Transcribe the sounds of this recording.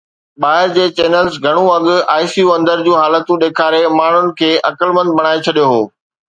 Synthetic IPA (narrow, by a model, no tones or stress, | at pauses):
ɓaːɦɪɾd͡ʑeːt͡ɕeːnəlzɡʱɐɽ̃ũɐɠʊaːɪsijuɐ̃nd̪əɾd͡ʑũːɦaːlət̪ũɗeːkʰaːɾemaːɳ̤ʊnɪ̆kʰeːʔɐkəlmə̃nd̪̚bʱɐɽ̃aːet͡ɕʰɐɗijoɦoː